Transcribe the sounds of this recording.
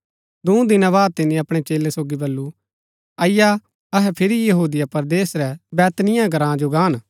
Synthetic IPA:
d̪ũːd̪ɪnãbaːd̪̚t̪ɪnĩɐpɽ̃et͡ʃeːlesoːɡibɐlːu | ɐɪja | ɐɦɛpʰɪɾijɐɦuːd̪ɪjapɐɾd̪eːsɾɛbɛːt̪nɪjãɡʱɐɾãːd͡ʒoɡãːn

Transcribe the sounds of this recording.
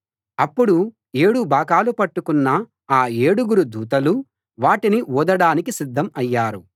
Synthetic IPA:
ɐpːuɽu | e̞ːɽubʱaːkaːlupɐʈːukunːɐ | aːe̞ːɽuɡuɾud̪uːt̪ɐlu | ʋaːʈiniuːd̪ɐɽaːnikisid̪ʱːɐmɐjːaːɾu

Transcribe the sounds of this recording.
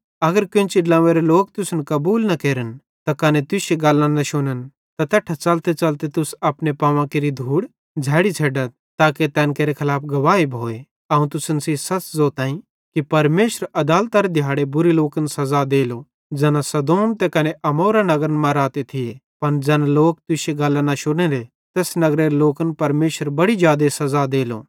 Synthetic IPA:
ɐɡəɾkʊnt͡ʃɪɖlãːʋeɾeloːk̚t̪ʊsənkɐbuːlnɐkeːɾən | t̪ɐkɐnet̪ʊseɡaːlːãnɐʃʊnən | t̪ɐt̪ɛʈʰːat͡ʃɐlt̪et͡ʃɐlt̪et̪ʊsɐpnepaːʋãkeɾid̪ʱuːɽ | d͡ʒʱɛːɽit͡ʃʰeːɖət̪̚ | t̪aːket̪ɛːnkeːɾekʰɐlaːpʰɡɐʋaːɦibʱoːe | ɐũt̪ʊsənsisɐt͡szoːt̪ãːĩ | kipɐɾmeːʃəɾɐd̪aːlt̪aɾed̪ʱjaːɽebʊɾiloːkənsɐzad̪eːlo | d͡zɛːnãsɐd̪oːmt̪ɛkɐneʔɐmoːɾanɐɡɾənmãɾaːt̪et̪ʰɪe | pɐnd͡ʒɛːnaloːk̚t̪ʊʃeɡɐlːanɐʃʊɽ̃ẽːɾe | t̪ɛːsnɐɡɾeɾeloːkənpɐɾmeːʃəɾbɐɽid͡ʒjaːd̪esɐzad̪eːlo̰ː

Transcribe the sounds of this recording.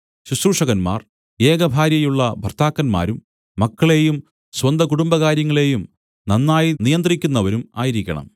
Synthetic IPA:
ɕusɾuːʂɐɣɐnma̰ːr | e̞ːɡɐbʱaːɾjɐjuɭːɐbʱɐrt̪ʰaːkːɐnma̰ːɾumː | ɐkːɐɭe̞ːjum | swɐnd̪ʱɐkuɽumbɐɣaːɾjɐŋːɐɭe̞jum | nɐnːaːjinijɐnd̪rikʲːunːɐʋɐɾuma̰ːjiɾikʲːɐ̰ɳɐ̰m

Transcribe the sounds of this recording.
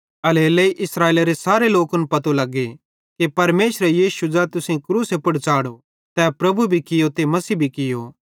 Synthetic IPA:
ɐleːleiʔɪsɾaːeːlaɾesaːɾeloːkʊnpɐt̪olɐɡːe | kipɐɾmeːʃɾɛjiːsud͡ʒaːt̪ʊsẽkɾuːsepɐɽt͡ʃaːɽo | t̪ɛːpɾɐbubʱikɪjot̪emɐsiːbʱikɪjo̰ː

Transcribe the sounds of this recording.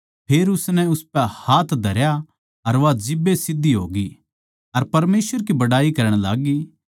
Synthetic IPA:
pʰeːɾʊsnɛʊspɛhaːt̪ʰd̪ʱɐɾja | ɐɾʋad͡ʒɪbesɪd̪ʱːiɦo̰ːɡi | ɐɾpɐɾmeːsʋəɾkibɐɽaːikɐɾəɽ̃la̰ːɡiː

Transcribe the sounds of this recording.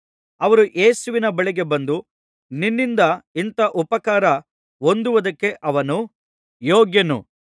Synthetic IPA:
ɐʋɐɾuʔe̞ːsuʋinɐbɐɭiɡe̞bɐnd̪u | ninːind̪ɐint̪ɐʔupɐkaːɾɐ | o̞nd̪uʋɐd̪ɐkːe̞ʔɐʋɐnu | joːɡjɐnṵ

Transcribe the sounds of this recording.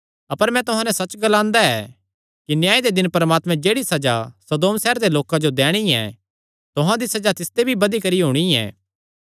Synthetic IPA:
ɐpəɾmɛ̃t̪ʊɦãnɛsɐt͡ʃɡɐlãːnd̪aɛ̰ː | kinjaːid̪ed̪ɪnpɐɾmaːt̪mɛ̃d͡ʒeːɽisɐd͡ʒasɐd̪oːmsɛːɾd̪eloːkãd͡ʒod̪ɛːɽ̃iɛ̰ | t̪ʊɦãd̪isɐd͡ʒat̪ɪst̪ebʱibɐd̪ikɐɾiɦuːɽ̃iɛ̰ː

